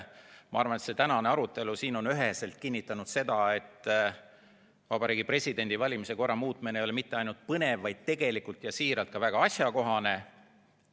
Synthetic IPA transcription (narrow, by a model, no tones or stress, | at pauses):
mɑɑrvɑne̞t̪se̞t̪ænɑneɑɾut̪ːˑe̞lusiːno̞nyɦese̞lt̪̚kinʲːit̪ːˑɑnud̪̥se̞d̪̥ɑe̞t̪ːˑ | vɑbɑɾiːɡipre̞sʲid̪̥e̞nʲd̪̥ivɑlʲimise̞ko̞rːɑmuːt̪ˑmenejo̞lemit̪ːe̞ɑjnult̪̚pɤne̞vːɑjd̪̥̚t̪e̞ɡ̥e̞likult̪jɑsiːɾɑlt̪̚kɑvæɡ̥ɑɑsjɑko̞ɦɑne̞